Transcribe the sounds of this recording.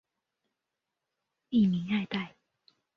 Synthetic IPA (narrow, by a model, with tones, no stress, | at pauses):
i˥˧mi˨˦ŋa˥˧ɪt̪a˥˨ɪ